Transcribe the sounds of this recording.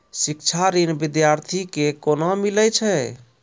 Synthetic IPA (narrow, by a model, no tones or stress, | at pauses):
sik̚t͡ʃʰaɾinbid̪jaɾt̪ʰikekonɔmilɛt͡ʃʰɛ